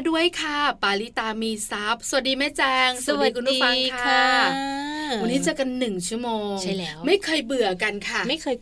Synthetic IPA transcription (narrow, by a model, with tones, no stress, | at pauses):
du˥˩əjkʰa˥˩paː˧li˦˥t̪aː˧miː˧sa˦˥p̚sa˧˩˨t̚diː˧maː˦˥˩t͡ɕɛː˧ŋsa˨˩˨dkʰu˧nu˥fa˧ŋkʰa˦ | wa˧nːiː˦˥t͡ɕa˨˩ka˧nːɯ˨˩ŋt͡ɕʰu˦˥əmoː˧ŋ˥ma˥˩jkʰɤː˧jbɯ˨˩ɐka˧nkʰa˥˩ma˥˩jkʰː